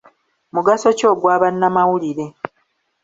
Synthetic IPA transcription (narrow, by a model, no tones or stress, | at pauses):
muɡaso̞co̞ːɡwaːβanːamawuliɾe̞